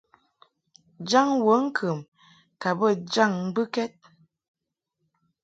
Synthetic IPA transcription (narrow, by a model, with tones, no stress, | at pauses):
d͡ʒa˦˨ŋwə˨˦ŋ̩˦kʰə˨m | ka˨bə˦˨d͡ʒa˦˨ŋ˦bɨ˦kɛ˦t̚